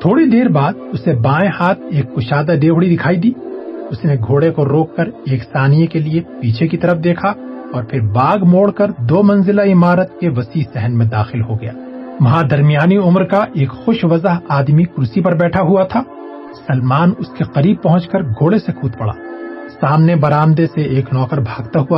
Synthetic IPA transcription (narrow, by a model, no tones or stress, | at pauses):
t̪ʰoːɽid̪eːɾbaːd̪ʊsebãːẽhaːt̪ʰeːkːʊʃaːd̪aɖeːɦɽid̪ɪkʰaːid̪iːʊsneɡʱoːɽekoɾoːkːɐɾeːksaːnijekeliepiːt͡ʃʰekit̪ɐɾəfd̪eːkʰaɔːɾpʰɪɾbaːɡmoːɽkɐɾd̪oːmɐ̃nzɪlaɪmaːɾət̪keʋɐsiːsɛɦənmẽd̪aːxɪlɦoɡɐja̰ːʋɐɦãd̪ɐɾmijaːniʊmɾkaʔeːkxʊʃʋɐzəɦaːd̪mikʊɾʊsipɐɾbɛːʈʰaɦuat̪ʰaː | sɐlmaːnʊskeqɐɾiːb̚pɐɦʊ̃t͡ʃkəɾɡʱoːɽesekʰuːt̪pɐɽa̰ːsaːmnebɐɾaːmd̪eseʔeːknɔːkəɾbʱaːɡt̪aɦua